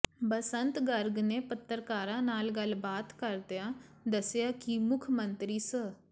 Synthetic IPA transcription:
bəsənt̪ɡəɾɡneːpət̪ːəɾkaːɾãːnaːlɡəlbaːt̪kəɾd̪jaːd̪əsɪjaːkimʊkʰmənt̪ɾiːsə

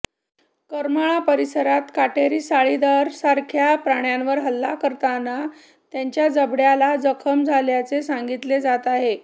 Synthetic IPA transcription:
kəɾmaɭapəɾisəɾat̪kaʈeɾiːsaɭid̪aɾsaɾkʰjapɾaɳjanʋəɾɦəlːakəɾt̪ana | t̪jaɲt͡ɕjad͡zəbɽjalad͡zəkʰəmd͡zʱaljat͡sesaŋɡit̪led͡zat̪aɦe

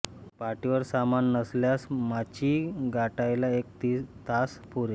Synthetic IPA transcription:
paʈiʋəɾsamanːəsljasmat͡ɕiːɡaʈajlaekt̪it̪aspuɾe

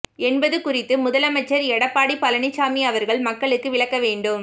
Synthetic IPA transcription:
ɛnbɐðɯkʊrɪt̪ːɯmʊðɐlɐmɐt͡ʃːɐɾɛɽɐpːaːɽipːɐlɐɳɪt͡ʃaːmiɐʋɐɾɣɐɭmɐkːɐɭɯkːɯʋɪɭɐkːɐʋeːɳɖɯm

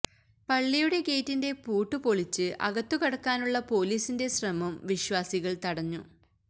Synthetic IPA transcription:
pɐɭːijuɽe̞ke̞ːtːinde̞puːʈːupo̞ɭit͡ɕːɨʔɐ̰ɣɐt̪ːukɐɽɐkːaːnuɭːɐpo̞ːliːsinde̞ɕrɐmɐmʋiɕwaːsiɣɐɭt̪ɐɽɐɲːṵ

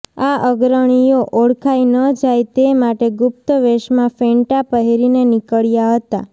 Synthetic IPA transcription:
aəɡɾəɽ̃ijoʔoɽkʰajnəd͡ʒajt̪emaʈeɡʊp̚t̪əʋeʃmãfẽɳʈapəɦeɾinenikəɭjaɦət̪a̰

